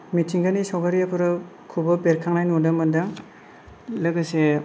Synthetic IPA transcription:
mitʰiŋɡanisɔwɡaɾiapʰɯɾɯ | kʰubɐbeɾkʰaŋnajnundɯmɯndaŋ | lɯɡɯse

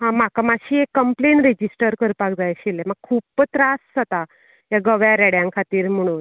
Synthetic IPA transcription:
ɦãmakamaɕiːekːəmpleɳɾed͡ʑisʈəɾkəɾpakd͡zajɕileməɡ̚kʰuːpːt̪ɾassət̪a | jaɡəʋjaɾɛɽjãŋkʰat̪iːɾm̤əɽ̃un

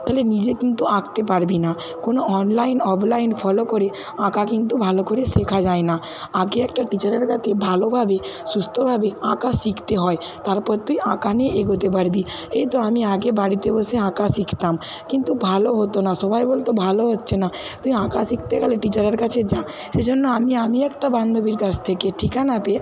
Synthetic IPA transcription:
t̪aɦlenid͡ʑekint̪uãɡt̪epaɾbina | konoʔɔnlajnɔblajnfʰɔlokoɾe | ãkakint̪ubʱalokoɾeʃekʰad͡ʑaena | aɡeɛkʈaʈit͡ɕaɾeɾkat̪ʰebʱalobʱabesust̪ʰobʱabeãkasikʰt̪eɦɔe | t̪aɾpɔɾt̪umiʔãkaneʔeɡot̪ep̬aɾbi | ejt̪oamiaɡebaɽit̪eboseãkasikʰt̪am | kint̪ubʱaloɦot̪onaʃɔbʱajbolt̪obʱaloɦotːɕʰena | t̪umiãkasikʰt̪eɡaleʈit͡ɕaɾeɾkat͡ɕʰed͡ʑã | ʃed͡ʑonːoamiamiɛk̚ʈabãnd̪ʱobiɾkat͡ʃt̪ʰekeʈʰikanape

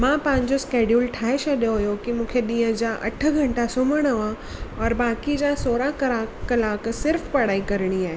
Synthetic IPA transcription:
mãːpãɪ̃ɲd͡ʑoskeːɖjuːlʈʰaːɦeʃɐɗjoɦjokimũːkʰeɗĩːə̃d͡ʑãːʔɐ̰ʈʰə̆ɡʱɐ̃ɳʈasʊməɽ̃əã | ɔːɾbaːkid͡ʑãːsoːɾakɐɾaːɐlaːksɪɾfpɐɽ̤aːikɐɾəɽ̃iaːɦe

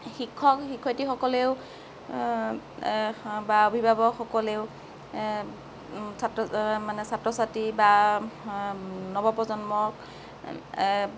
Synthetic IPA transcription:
xikʰːɔkxikʰːɔjtixɔkɔleʊ | baobʱibʱabɔxɔkɔleʊ | satɔmanɛsatɹɔsatiba | nɔbɔpɔzɔnmɔk̚

